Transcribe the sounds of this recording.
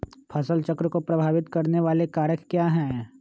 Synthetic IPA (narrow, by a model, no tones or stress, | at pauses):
pʰɐsəlt͡ʃɐkɾkopɾɐbʱaːʋɪt̪kɐɾneʋaːlekaːɾjəkkːjaːɦɛ̃ː